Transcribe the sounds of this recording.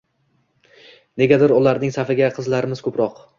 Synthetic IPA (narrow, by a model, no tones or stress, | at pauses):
ne̞ɡʲad̪ɪɾʊlˠaɾnɪŋsafɪɡʲaqʰɨzlaɾɪmɪzkʰɵpɾɒq